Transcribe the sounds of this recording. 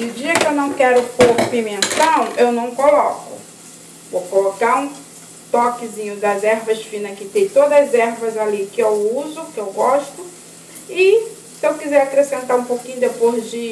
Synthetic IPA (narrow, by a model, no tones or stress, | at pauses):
nʊd͡ʒiɐkɪewnɐ̃w̃kɛɾʊpopimẽnt̪ɐ̃wewnɐ̃w̃kolɔkʊ̰ | vowkolokaɾũ | t̪ɔkɪzĩɲʊd̪ɐzɛɾvɐsfĩnɐkɪt̪ẽj̃t̪od̪ɐzɛɾvɐzalikɪewuzʊkɪewɡɔʃt̪ʊ | ɪ | sɪewkizɛɾakɾesẽnt̪aɾũpokĩɲʊd̪epozd͡ʒɪ